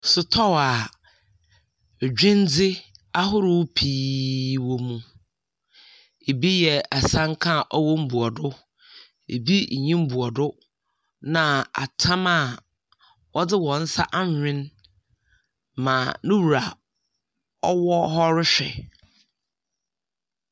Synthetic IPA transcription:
sʊ˨tʰɔ˦wa˨ | d͡ʑᶣĩ˦n˦d͡zɪ˦a˦ɦʊ˦ɾɪ˦wpʰiː˦wɔ˦mũ˦ | e˨bi˦jɛ˨a˨sã˦ŋ˦kʰã˦˨ʔɔ˦wɔ˦m̩˦bu˨ɔ˨dʊ˦ | ḛ˨bi˦˨ɲĩ˦m̩˦bu˨ɔ˨dʊ˦ | nã˨a̰˨tʰã˦ma˦˨ | wʔɔ˦dɪ˦wɔ̃˨n̩˦sa̰˦ʔa˦ɲ˨ɲᶣɪ̃˦n | mã˨nʊ̃˦wu˨ɾa˨ | ɔ˦wɔ˦hɔ˦ɾɪ˦ɕᶣɛ̰˨

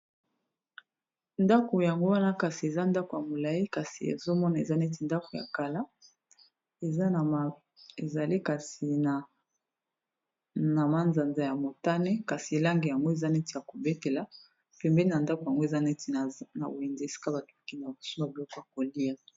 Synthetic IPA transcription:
nda˦ko˨ja˨ŋɡo˦wa˦na˦ka˨si˨e˨za˦nda˦ko˨ja˨mo˨la˨i˦ka˨si˨ḛ˨zo˦mɔ˦na˨ḛ˨za˦ne˦ti˨nda˦ko˨ja̰˨ka˨la˦ | e˨za˦˨ | e˨za˨li˦ka˨si˨ | na˨ma˦nza˨nza˨ja˨mo˨ta˦nɛ˦ka˨si˨la˦ŋɡe˨ja˨ŋɡo˦e˨za˦nɛ˦ti˨ja˨ko˨be˦te˨la˦ | pɛ˨mbɛ˦ni˦na˨nda˦ko˨ja˨ŋɡo˦e˨za˦nɛ˦ti˨na̰˨bo˨e˨nze˦e˨si̥˦ka˦ba˨tki˦na˨bo̥˨su˦ma˨bi˨lɔ˦kɔ˨ja˨ko˨li˦a˨

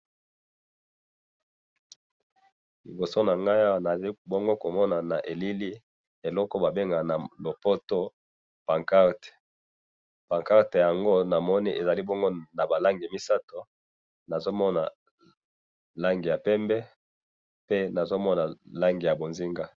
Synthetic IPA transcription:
li˨bo˨so˦na˨ŋɡa˦ja˦wna˨i˦bo˦ŋɡo˦ko˨mɔ˦na˨na˨ʔe˨li˦li˦ | e˨lɔ˦ko˦ba˨be˦ŋɡa˨na˨lo˨po˦to˦ | pa˨ŋka˦ʁte̥˨ | pã˨ŋka˦ʁte˨ja˨ŋɡo˦na˨mɔ˦ni˦ʔe˨za˨li˦bo˦ŋɡo˦na˨ba˨la˦ŋɡi˨mi˦sa˦to˨ | na˨zo˦mɔ˦na˨ | la˦ŋɡi˨ja˨pɛ˦mbɛ˦ | pe˦na˨zo˦mɔ˦na˨la˦ŋɡi˨ja˨bo˨nzi˦ŋɡa˦

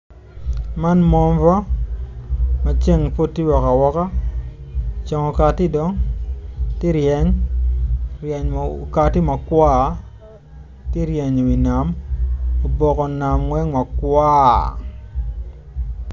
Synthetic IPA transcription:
ma˦nmɔ˦ɱva˦ | ma˨t͡ʃe˦ŋpo˦tːi˦wɔ˨ka˨wɔ˦ka˦ | t͡ʃɔ˨ŋɔ˨ka˨tɪ˦dɔ˦ŋ | ti˦ɾjɛ˨˦ɲ | ɾɛ˨ɲ˨ka˨tɪ˦ma˨kwa˦˨ | ti˦ɾje˨ɲo˨wi˨na˨m | o˨bɔ˨kɔ˨na˨mwɛ˦ŋma˨kwa˦

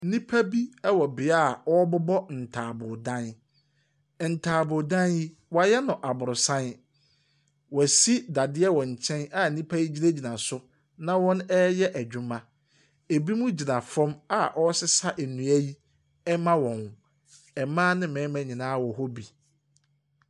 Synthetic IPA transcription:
nĩ˦pʰæ˦bi˦ɛ˦wɔ˨bɪ˨a˦˨ɔ˦bʊ˦bɔ˦n̩˨tʰaː˨bʊ˨dã˦n˨ | n̩˨tʰaː˨bʊ˨dã˦nji˦ | wa˨jɛ˦nʊ̃˨ʔa˨bʊ˨ɾʊ˨sã˦n | wɔ˨si˦da˨dɪ˦ɛ˦wɔ̃˨ɲ̩˨t͡ɕʰɛ̃˦na˨n̩˨nĩ˦pʰæ˦ji˦d͡ʑi˦næ˦d͡ʑi˨nã˨sʊ˦ | nã˦wɔ̃˦nɛ˦jɛ˦ʔæ˨d͡ʑᶣʊ̃˦mã˦ | e˨bi˦mũ˦d͡ʑi˨nã˨fɔ̃˦ma˨ʔɔ˦sɪ˦sa˦ʔæ˨nũ˨æ˦ji˦ | ɛ˦mã˦wɔ̃˨n˨ | ɛ˨mãː˦nɪ̃˦mɛ̃ː˨˦mæ̃˨˦ɲĩ˨nãː˦wɔ˨ɦɔ˦bi˨

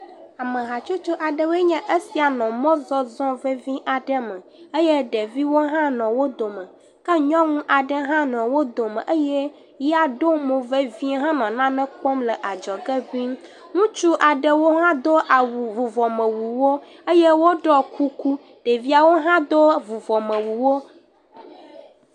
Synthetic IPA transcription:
a˨mə˨ɦa˨t͡ʃo˦t͡ʃo˦ʔa˨ɖə˨we˦ɲɛ̃˦ʔə˦si˨a˨nɔ̃˨mɔ̃˦zɔ˦zɔ̃˦ve˦vĩ˦ʔa˨ɖə˦mə̃˨e˦je˦ɖe˨vi˦wo˦ɦã˦nɔ̃˨wo˦d̪o˨mə̃˨ | kə˦ɲɔ̃˦ŋũ˦ʔa˨ɖə˦ɦã˦nɔ̃˨wo˦d̪o˨mə̰̃˨ʔə˦jɛ˦ | ji˦a˨ɖo˦mõ˨ve˦vĩ˦ɦã˦nɔ̃˨nã˦nɛ̃˦k͡pɔ˦mlɛ˨ʔa˨d͡ʒɔ˨ɡə˦vi˦m˦ | ŋũ˦t͡ʃu˦ʔa˨ɖə˨wo˦ɦã˦d̪o˦ʔa˨wu˨vu˨vɔ˨mə̃˨wu˨wo˦ | e˦je˦wo˦ɖɔ˦ku˦ku˦ | ɖ̥e˨vi˦a˨wo˦ɦã˦d̪o˦vu˨vɔ˨mə̃˨wu˨wo˦

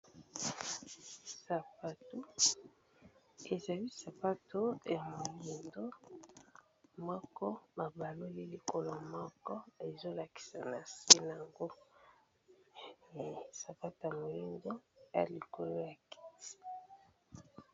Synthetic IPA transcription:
sa˨pa˨to˦ | e˨za˨li˦sa˨pa˦to˦ja˨mo˨li˦ndo˦ | mɔ˦kɔ˦ba˨ba˨lo˦li˦li˨ko˨lo˨mɔ˦kɔ˦e˨zo˦la˨ki̥˨sa˨na˨se˦na˨a˨ŋɡo˦˨ | sa˨pa˦to˨ja˨mo˨li˦ndo˦ja̰˨li˨ko˨lo˦ja˨ki̥˦ti̥˦

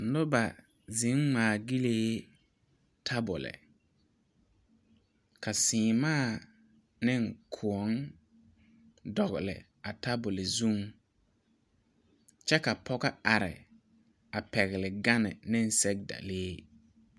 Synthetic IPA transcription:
lʊ˦ba˨ | zɪ˨˦ŋmaː˨ɡi˦leː˦ | tʰa˦bʊ̰˨lɪ̰˨ | ka˨sɪː˨maː˦˨ | nɪ˦˨ŋkʰʊ˨ɔ˦ŋ | dɔ˨ɣɪ˨lɪ̰˨ | a˨ta˦bʊ˨lɪ˨zu˦m | t͡ʃɛ˦ka˨pʰɔ˦ɡa˦a˨ɾɪ̰˨ | a˨pɛ˨ɣɪ˨lɪ˨ɡa˦nɪ̰˨nɪ˦n̩˦˨sɛ˦k̚da̰˨leː˦

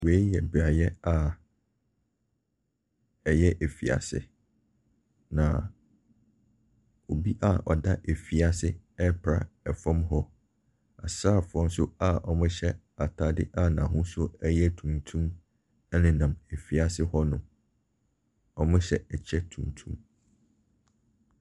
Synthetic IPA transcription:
we˨˦jɛ˨bɾa˨jɛ˦a˨ | ɛ˨jɛ˦ʔe˨fi˨a̰˨sɪ̰˨ | nã˨ | o˨bi˦ʔa˦ʔɔ̰˨da˦ʔe˨fi˦a˨sɪ˦ | ɛ˦pʰɾa̰˦ɛ˨fɔ̃˦mɦɔ˦ | a̰˨saː˦˨fʊ˨ɾɔ̃˦n˦sʊ˦a˦ʔɔ˨mʊ̃˦ɕɛ˦ | a˨tʰa˨dɪ̰˦ʔa˦nã˨ɦʊ̃˦sʊ˦ɛ˦jɛ˦tʰũ˨ntʰũ˦m | ɛ˦nɪ̃˨nã˨me˨fi˨a˨sɪ˦hɔ˦nʊ̃˨ | ɔ˨mʊ̃˦ɕɛ˨ɛ˨t͡ɕʰɛ˦tʰũ˨ntʰũ˦m

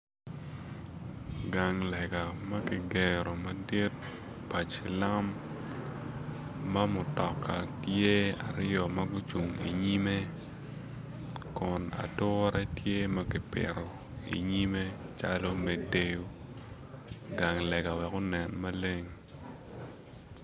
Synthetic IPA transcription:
ɡa˨ŋlɛ˨ɡa˨ma˦kɪ˨ɡɛ˨ɾo˨ma˨di˦t̚ | pa˨t͡ʃi˨la˦m | a˦mʊ˨tɔ˨kːa˨tje˦a̰˨ɾjɔ˨ma˦ɡʊ˦t͡ʃu˨ŋḭ˨ɲi˦me˦ | kʊ˨na̰˨tʊ˦ɾɛ˦tje˦ma˦kɪ˨pɪ̰˨ɾo˨ | ḭ˨ɲi˦me˦t͡ʃa˦lo˦me˦de˦jo˦ | ɡa˨ŋlɛ˨ɡa˨wɛ˨kʊ˦nɛ˨nma˦le˦ŋ

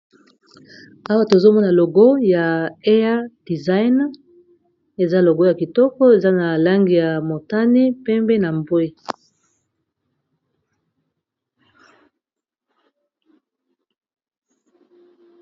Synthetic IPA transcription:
a˦wa˦to˨e˨zo˦mɔ˦na˨lo˨ɡo˦ja˨e˦a˦d̥i˨za˦i˦n˦ | e˨za˦lo˨ɡo˦ja˨ki˨tɔ˦kɔ˦e˨za˦na˨la˦ŋɡi˨ja˨mo˨ta˦ni˦pɛ˦mbe˦na˨mbwe˦

